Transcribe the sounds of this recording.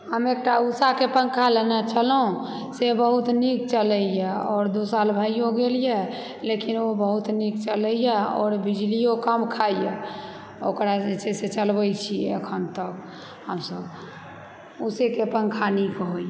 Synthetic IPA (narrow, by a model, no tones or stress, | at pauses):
həmek̚ʈausakepəŋkʰalenɛt͡ʃʰəlũ | sebəɦut̪nik̚t͡ʃələjɛɔːɾd̪osalbʱaijoɡelije | lekinobəɦut̪nik̚t͡ʃələjɛɔ̰ːɾbid͡ʒlijokəmkʰaije | okɾaeseset͡ʃəlbəjt͡ʃʰiɛəkʰənt̪ək | həmsəb | usekepə̃ŋkʰanikɦoj